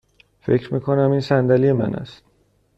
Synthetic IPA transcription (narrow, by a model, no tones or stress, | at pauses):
fe̞̰cɾmiːkʰonæmiːnsænd̪ælijemæ̰næ̰st̪̚